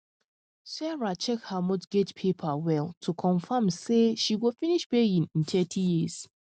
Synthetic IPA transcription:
sɛɹat͡ʃɛkhamotɡ̥etpʰepʰawɛlˠtʰukʰɔ̃nfãmseʃiwifĩniʃpejĩnĩntʰɛtʰijiz̥

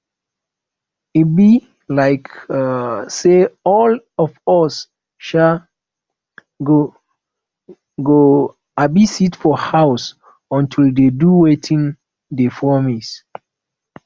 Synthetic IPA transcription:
itbi | laɪk | seɔl | ɔfɔs | ʃa | ɡo | ɡo | abisitfɔhaʊs | ɔ̃ntʰildeduwetʰĩŋ | defɔmis

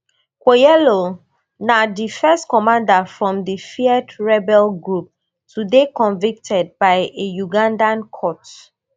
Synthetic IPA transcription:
kojɛlo | nadifɛstkɔmãndafɹɔ̃mdifiɛdɹɛbɛlɡɹup̚ | tʰudekɔ̃nvik̚tʰɛd̚bajejuɡãndãnkʰɔt

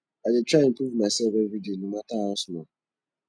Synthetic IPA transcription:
adɪtɾaɪ̃m̩puvmaɪsɛbevidinumataɔsʊnɔ

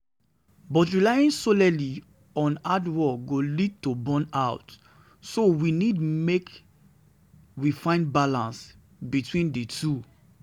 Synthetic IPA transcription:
bɔtɹilajĩnsolɛli | ɔ̃nadwɔɡolid̚tobɔ̃naʊt | sowinidmek | wifãɪ̃ndbalãns | bitwĩndetʰu

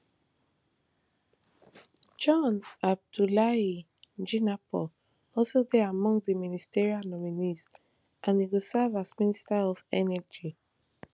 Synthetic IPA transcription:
d͡ʒɔ̃nab̚dulai | d͡ʒinapɔ | ɔlsodɛamɔ̃ŋdəministiɹialnɔminis | ʔãniɡosɛvasministaɔvɛnɛd͡ʒi

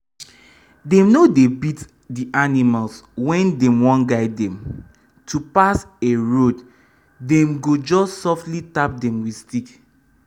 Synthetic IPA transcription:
dɛ̃mnodebit | diʔanimalswɛ̃ndɛ̃mwɔ̃nɡaɪdɛ̃m | tupaseɹod | dɛ̃mɡod͡ʒɔstsɔftlitap̚dɛ̃mwistik

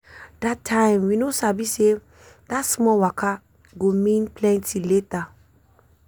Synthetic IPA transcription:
d̥atʰːãɪ̃mwinosabise | datsmɔwakʰa | ɡomĩnplɛ̃ntʰileta

